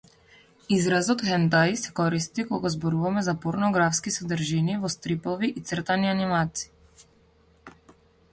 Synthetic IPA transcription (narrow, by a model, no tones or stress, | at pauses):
izɾazɔt̪xɛnd̪ajsɛkɔɾist̪ikɔɡazbɔɾuvamɛzapɔɾnɔɡɾafskisad̪rʒinivɔst̪ɾipɔviʔit̪srt̪anianimat̪si̥i